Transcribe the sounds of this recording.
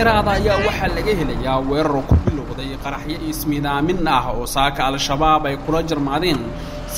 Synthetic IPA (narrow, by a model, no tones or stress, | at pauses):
ɛɾaːðɐːjaːwɑħɑːlɐɣɐhɛlɐjaːwɛːɾɔɾɔkʰʊbɪlɔːðɛjqɑɾɑħjɐismɪðaːmɪnɐɦɔːsaːkʰɐːlʃɐβaːbɛjkʰʊlɐt͡ʃɪrmaːðɛːn | s